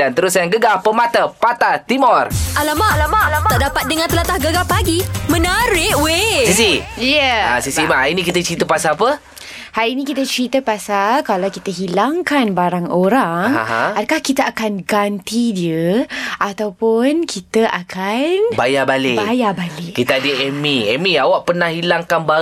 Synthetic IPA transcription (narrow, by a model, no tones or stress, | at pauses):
dant̪əɾusanɡəɡahpəmat̪apat̪at̪imɔrʔalamaʔalamalaaaʔdapat̪̚dəŋant̪əlat̪ahɡəɡahpaɡimə̃naɾɪʔwesisijəa̰sisimahainikit̪ət͡ʃəɾit̪əpasapə | hajinĩkit̪ət͡ʃəɾit̪əpasalkalawkit̪əɦilaŋkanbaɾaŋoɾaŋŋa̰ɦã̰adəkahkit̪əʔakanɡant̪idiəʔat̪awpʊnkʰit̪əʔakʰanbajabalebajabalɪʔkit̪aadəʔɛmiɛmiawaʔpənahilaŋkanba